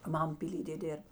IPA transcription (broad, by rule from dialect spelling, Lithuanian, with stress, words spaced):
ˈmɐm pʲiːˈlʲiːdʲeː ˈdʲeːrp